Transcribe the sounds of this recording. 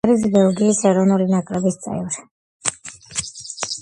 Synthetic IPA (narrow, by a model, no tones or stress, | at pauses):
ɾisbɛlˠɡiːsɛɾɔnulinakʼɾɛbist̪sʼɛ̰vɾi